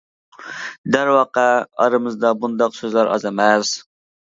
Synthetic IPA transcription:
d̪æɾwɑqɛɑɾɨmɨzd̪ɑbund̪ɑqsøzlæɾʔɑ̰zemɛz̥

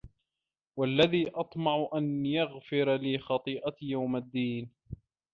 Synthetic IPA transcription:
walːaðiːʔɑt̪ˤmɑʕʊʔanjaɣfɪɾliːxɑt̪ˤiːʔajawmad̪ːiːn

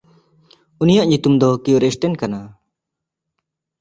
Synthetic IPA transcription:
unijaʔɲut̪umd̪ɔkiuɾɛsʈɛnkana

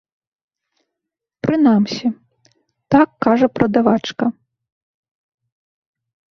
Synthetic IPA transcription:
pɾɨnamsʲi | t̪akːaʐɐpɾʔɐd̪avat͡ʂkɐ

